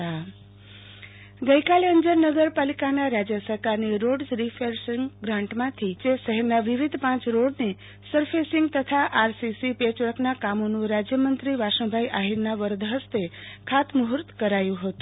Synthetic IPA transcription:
a | ɡəikaleəɲd͡ʒəɾnəɡəɾpalikanaɾad͡ʒjəsəɾkaɾniɾoɖsɾifeɾsiŋɡɡɾãɳʈmãt̪ʰit͡ʃeʃəɦəɾnaʋiʋid̪ʱpãt͡ʃɾoɽne | səɾfesiŋɡt̪ət̪ʰaʔaɾsisipet͡ʃəɽəknakamonũɾad͡ʒjəmənt̪ɾiʋaʃə̃w̃bʱaiʔaɦiɾnaʋəɾd̪ʱɦəst̪ekʰat̪məɦɾt̪kəɾajũɦət̪ũ̥

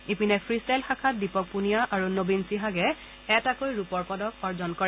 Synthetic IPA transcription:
ipinɛpʰɹistɛlxakʰat̚dipɔk̚punijaʔaɹunobinsiɦaɡɛ | ɛtakojɹupɔɹpɔdɔkɔɹd͡ʒɔnkɔɹ

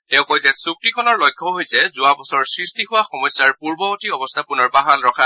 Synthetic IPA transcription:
tɛʊ̃kɔjzɛsuk̚tikʰɔnɔɹlɔjkʰːɔɦojsɛzʊabɔsɔɹsɹistiɦʊwaxɔmɔjsjaɹpuɹbɔɔtiɔbɔstʰapʊnɔɹbaɦanɹɔkʰa

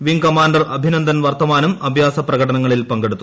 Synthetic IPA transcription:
ʋiŋkɐmaːɳɖɐrɐbʱinɐnd̪ʱɐnʋɐrt̪ɐmaːnumɐbʱjaːsɐprɐɣɐʈɐnɐŋːɐɭilpɐŋɡe̞ɽut̪ːu

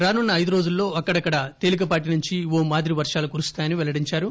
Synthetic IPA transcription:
ɾaːnunːɐːjd̪uɾo̞ːd͡ʒulːo̞ːɐkːɐɽɐkːɐɽɐt̪e̞ːlik̬ɐpaːʈ̬inuɲt͡ʃiʋoːmaːd̪ɾiʋɐɾʂaːlukuɾust̪aːjɐniʋɛlɐɽiɲt͡ʃaːɾu

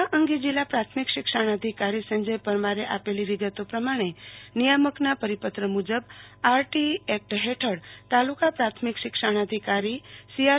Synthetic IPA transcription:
aʔə̃ŋɡid͡ʒilːapɾat̪ʰmikʃɪkʃəɽ̃əd̪ʱikaɾisəɲd͡ʒəjpəɾmaɾeʔapeliʋiɡət̪opɾəmaɽ̃enijəməknapəɾipət̪ɾəmud͡ʒəbaɾʈiɛk̚ʈɦeʈʰəɽt̪alukapɾat̪ʰmikʃɪkʃəɽ̃əd̪ʱikaɾisija

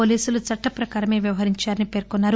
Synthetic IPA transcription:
oːliːsulut͡ʃɐʈːɐpɾɐkaːɾɐme̞ːʋjɐʋɐɦɐɾiɲt͡ʃaːɾɐnipe̞ɾkunːaːɾ

